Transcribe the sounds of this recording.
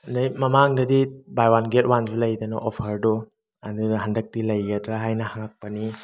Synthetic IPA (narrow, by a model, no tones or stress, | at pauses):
najmɐmaŋdɐdibajwanɡet̚wanzulɐjdɐnɐ̰ʔopʰɐɾdɔ | ɐduɦandɐk̚tilɐjɡɐdɾaɦajnɐhaŋak̚pɐni